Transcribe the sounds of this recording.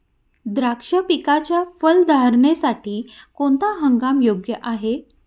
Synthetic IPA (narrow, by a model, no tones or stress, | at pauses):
d̪ɾakʂəpikat͡ɕjafəld̪ʱaɾɳesaʈiːkoɳt̪aɦəŋɡamjoɡjəʔaɦe